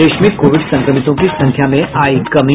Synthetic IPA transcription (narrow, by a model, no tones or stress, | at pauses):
eʂmik̪koʋiɖsə̃ŋkɾəmit̪õkiːsə̃ŋkʰjamẽʔaikəmi